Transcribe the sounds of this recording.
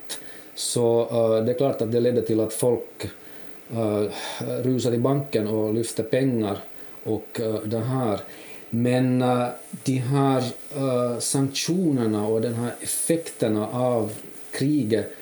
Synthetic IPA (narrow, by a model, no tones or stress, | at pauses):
sɔd̪ɛæɾkʰlɑːʈat̪̚d̪ɛlɛd̪ːəʈɪlat̪fɔlk | ɾʉːsaɾɪbaŋkːənɔlʏft̪əɾpɛŋːaɾ | ɔkd̪ɛɦæːɾmɛnd̪̥iɦæɾ | saŋkʂuːnəɳaɔd̪ɛnɦæːɾɛfɛkt̪əɳaʔɑv | kʰɾiːɡə